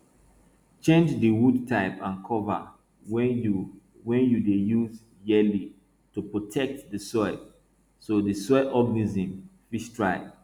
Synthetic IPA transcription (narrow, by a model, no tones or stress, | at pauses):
t͡ʃẽnd͡ʒdəwudtʰaɪpãnkʰɔva̰ | wɛ̃njudejuz | jɛli | tupɹotʰɛk̚tdəsɔɪ | sodisɔɪɔɡnizĩmfiʃtʰɹaɪb